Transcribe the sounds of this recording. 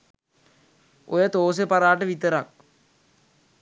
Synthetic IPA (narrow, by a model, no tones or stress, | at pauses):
ojət̪oːs̬epaɾaːʈəʋit̪əɾak̚